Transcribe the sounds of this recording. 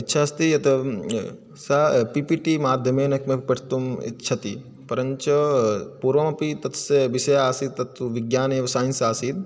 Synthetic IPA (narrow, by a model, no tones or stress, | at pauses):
itːʃʰɐɐst̪iɐt̪ɐ | sɐpipiːʈimaːd̪ʱjɐmeːnɐkmepɐʈʰt̪umḭtːʃʰɐt̪i | pɐɾɐɲt͡ʃɐpuːɾʋɐmɐpit̪ɐt̪seʋiʃɐjaːsid̪̚t̪ɐt̪uʋiɡjaːneʋɐsaːnsaːsiːt̪̚